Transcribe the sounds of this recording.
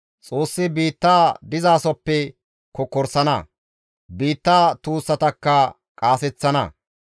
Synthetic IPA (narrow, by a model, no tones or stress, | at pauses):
t͡sʼoːsːɪbiːt̪ːaːd̪ɪzaːsɔpːɛ | kɔkɔɾsɐnɐ̰ | biːt̪ːaːt̪uːsːɐt̪ɐkːɐ | kʼaːsɛt͡sːɐnɐ̰